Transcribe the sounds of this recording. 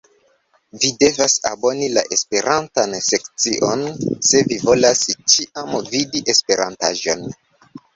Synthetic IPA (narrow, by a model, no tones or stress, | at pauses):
vide̞vasa̰bo̞nilaʔe̞spe̞ɾʔantanse̞kt͡siʔo̞nse̞vivo̞last͡ʃiʔamvidiʔespe̞ɾanta̰ʒo̞̰n